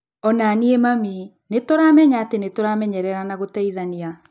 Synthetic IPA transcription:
ɔnaːniemami | netoɾamɛɲaːtenetoɾamɛɲɛɾɛɾanaɣotɛiðania

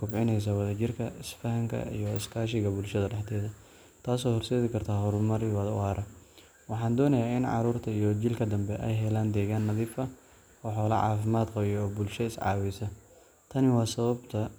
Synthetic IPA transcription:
kʊbʕɪnɛjs̬ɐwɑðɐt͡ʃɪrkʰɐɪsfɐɦɐŋkʰɐ̰ḭjɔɪskʰaːʃɪɣɐbʊlʃɐðɐɖɛħt̪ʰɛːðɐ | t̪ʰaːsɔːhɔrsɛːðɪkʰɐrt̪ʰaːɦɔɾʊlmɐɾɪwɐðʊ̰aːɾɐ | wɑħɑːnd̪ɔːnɐjaːɪnʕɑ̰ɾuːrt̪ʰɐijɔt͡ʃɪlkʰɐd̪ɐmbɛʔɛjɦɛlaːnd̪ɛːɣaːnːɐðiːfɐ | ɔːħɔːlɐ̰ʕɑ̰ːfɪmaːd̪qɑjɛːbʊlʃɐɪsʕɑ̰ːwɛsɐ | t̪ʰɐnɪwɑːsɐβɐbt̪ʰɐ

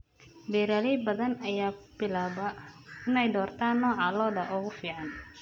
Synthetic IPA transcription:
bɛːɾalɛjbɐðɐnɐjaːb̥ɪlaːβɐɪnɛjd̪ɔːrt̪ʰaːnːɔːʕɑlɔːðɐʔɔɣʊfiːʕɑn

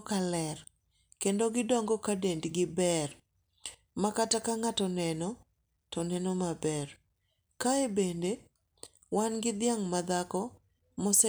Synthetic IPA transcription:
kalɛr | kendoɡɪdɔŋɡɔkadendɡɪbɛr | makatakaŋatɔnɛnɔ | tɔnɛnɔmabɛr | kaebende | wanɡɪd̪ɪaŋmad̪akɔ | mɔsɛ

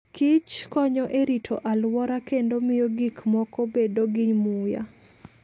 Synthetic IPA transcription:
kɪt͡ʃkɔɲɔʔeɾitʰoʔalwɔɾakendomɪjoɡikmɔkɔbedoɡɪɲmuja̰

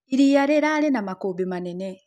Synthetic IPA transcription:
iɾijaɾeɾalenamakobimanene

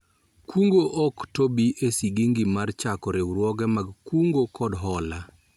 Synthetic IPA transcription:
kuŋɡoʔɔktobiʔesiɡiŋɡimart͡ʃakɔɾewɾwɔɡɛmaɡkuŋɡokɔdɦɔla

